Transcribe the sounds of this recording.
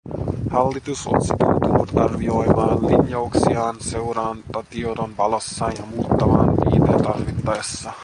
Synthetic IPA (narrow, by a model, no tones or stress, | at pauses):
hɑlːit̪uso̰t̪sit̪ut̪uːt̪ɑrʋio̞jmɑːnlinjouksiɑːnse̞uɾɑːnt̪ɑt̪iodo̞nʋɑlosːɑːnjɑmuːt̪ːɑʋɑ̰ːnʋḭːt̪ḛnt̪ɑrʋit̪ːɑjesːɑ